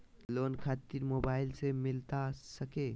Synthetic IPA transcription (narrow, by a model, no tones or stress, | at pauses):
lonkʰat̪iɾmobailsemilt̪asəke